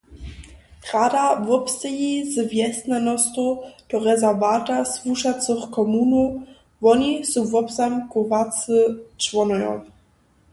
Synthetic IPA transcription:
tʁadavɔpst̪ɛjizvjɛst̪nanɔst̪ɔd̥ɔʁɛzɛvatasvuʃat͡sɨχkɔmunɔ | vɔnisuvɔpzamkuvat͡sɨt͡ʃvɔnɔjɔ̰

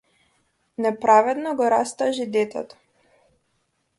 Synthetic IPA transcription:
nɛpɾavɛd̪nɔɡɔɾast̪aʒid̪ɛt̪ɛ̰t̪ɔ̥

